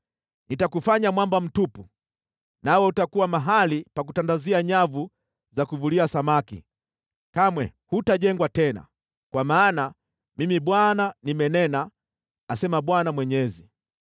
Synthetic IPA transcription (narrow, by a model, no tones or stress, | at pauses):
nitakufaɲamwambam̩tupu | nawɛutakuwamaɦalipak̬utandaziaɲavu | zakuvuliasamakḭ | kamwɛ̰hutaʄɛŋɡwatɛna̰ | kwamaːna | mimiɓwananimɛnɛnaː | sɛmaɓwanamwɛɲɛzi